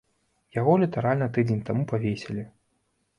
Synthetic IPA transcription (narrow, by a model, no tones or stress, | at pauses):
jaɣɔlʲit̪aɾalʲnɐt̪ɨd͡zʲenʲt̪amupavʲesʲelʲi